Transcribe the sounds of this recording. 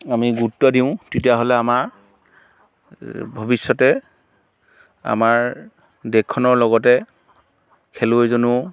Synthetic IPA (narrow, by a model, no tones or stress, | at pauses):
amiɡutːɔdiʊ̃tetijaɦolɛamaɹ | bʱɔbisːɔtɛ | a̰maɹ | dɛkʰːɔnɔɹlɔɡɔtɛ | kʰeloezonʊ